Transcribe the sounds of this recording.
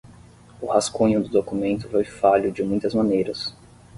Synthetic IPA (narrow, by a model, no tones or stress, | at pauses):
ʊhaskõɲʊd̪ʊd̪okumẽnt̪ʊfojfaʎʊd͡ʒɪmũj̃t̪ɐzmɐ̃nejɾɐs